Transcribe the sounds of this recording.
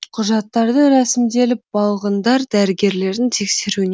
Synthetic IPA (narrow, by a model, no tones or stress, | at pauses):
qʰʊʒɑt̪ːɑɾd̪əɾæsɪmd̪e̞lɪp̚bɑlˠʁənd̪ɑɾd̪æɾɪɡʲe̞ɾle̞ɾɪnt̪ʰe̞kse̞ɾune